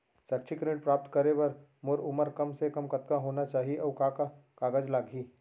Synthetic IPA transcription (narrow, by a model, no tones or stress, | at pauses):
sɐk̚t͡ʃʰikɾeːʈ̚pɾaːp̚t̪kəɾebɐɾ | mʊɾʊməɾkɐmsekɐmkɐt̪̚kaɦoːnat͡ʃaːɦiʔɔːkakakaːɡəd͡ʒlaːɡʱiː